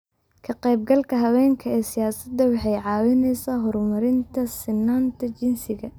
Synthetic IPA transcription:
kʰɐqɛjb̚ɡɐlkʰɐɦɐwɛːŋkʰɐɛːsɪjaːsɐd̪ɐwɑħɑjʕɑːwɪnɛjsaːɦɔɾmɐɾɪnt̪ʰɐsɪnːaːnt̪ʰɐt͡ʃɪnsɪɣɐ

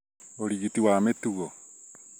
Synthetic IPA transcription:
oɾiɣitiwametuɣɔ

